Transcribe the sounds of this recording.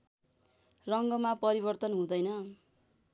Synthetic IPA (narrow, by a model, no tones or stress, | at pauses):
rʌŋɡʌmapʌɾiβʌrt̪ʌnɦũd̪ʌjnʌ